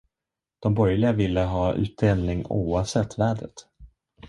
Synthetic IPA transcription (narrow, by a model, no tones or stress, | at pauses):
d̪̥ɔmbɔɾjlɪɡavɪlːəɦɑːʉ̟̰ːt̪̚d̪eːlnɪŋuːavsɛt̪ʰːvæːɖɾə̰t̪